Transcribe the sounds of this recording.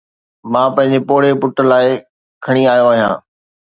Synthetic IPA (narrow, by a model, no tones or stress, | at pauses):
mãːpɐ̃ɦɪ̃ɲd͡ʑepoːɽ̤epʊʈə̆laːɪ | kʰɐɽ̃iaːjõaːɦjã̰ː